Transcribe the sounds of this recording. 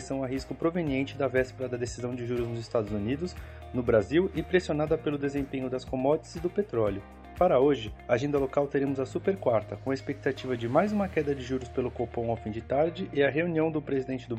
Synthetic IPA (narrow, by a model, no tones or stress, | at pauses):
sɐ̃w̃ɐɦiskʊpɾoveniẽnt͡ʃɪd̪ɐvɛspeɾɐd̪ɐd̪esizɐ̃w̃d͡ʒɪʒuɾʊznʊzɪst̪ad̪ʊzunid̪ʊs | nʊbɾaziwɪpɾesionad̪ɐpelʊd̪ezẽpẽɲʊd̪ɐskomɔd͡ʒɪsɪzd̪ʊpet̪ɾɔljʊ | paɾɐoʒɪaʒẽnd̪ɐlokawt̪eɾẽmʊzɐsupeɾkwaɾt̪ɐkõɐespek̚t̪at͡ʃivɐd͡ʒɪmajzũmɐkɛd̪ɐd͡ʒɪʒuɾʊspelʊkopõw̃awfĩd͡ʒɪt̪aɾd͡ʒɪʔɪɐɦeuniɐ̃w̃d̪ʊpɾezid̪ẽnt͡ʃɪd̪ʊ